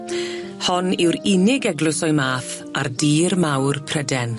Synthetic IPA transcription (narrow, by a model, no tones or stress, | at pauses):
hɔnɪwɾɪnɪɡɛɡlʊsɔɨmaːθ | ardiːrmawrpʰrədɛn